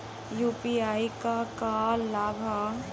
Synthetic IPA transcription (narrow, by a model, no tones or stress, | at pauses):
juːpiaikakalabʱa